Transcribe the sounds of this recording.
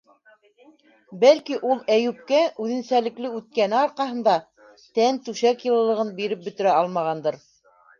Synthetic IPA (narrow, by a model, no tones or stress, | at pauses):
bælkiʔulˠæjʉp̚kæʔʉðɘ̆nsælɘ̆klɘʉt̪̚kænɘɑɾqɑɦɤ̆nd̪ɑ | t̪ænt̪ʉʃækjɤ̆lˠɤ̆lˠɤ̆ʁɤnbiɾɘp̚bɵ̆t̪ɘ̆ɾæɑlˠmɑʁɑnd̪ɤɾ